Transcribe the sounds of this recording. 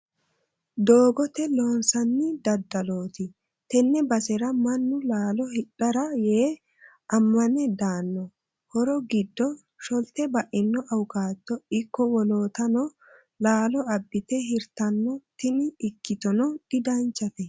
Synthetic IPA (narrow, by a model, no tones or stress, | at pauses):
d̪oːɡɔt̪ɛloːnsɐnːɪd̪ɐd̪ːɐlo̞ːt̪ɪ | t̪ɛnːɛbɐsɛɾɐmɐnːʊlaːlɔhɪᶑːɐɾɐjeː | ɐmːɐnɛd̪aːnːɔ | hɔɾɔɡɪd̪ːɔ | ʃɔlt̪ɛbɐʔɪnːɔʔɐwʊkaːt̪ːɔɪkːɔwɔloːt̪ɐnɔ | laːlɔɐbːɪt̪ɛɦɪɾt̪ɐnːɔt̪ɪnɪːkːɪt̪ɔnɔdɪd̪ɐnt͡ʃːɐt̪ɛ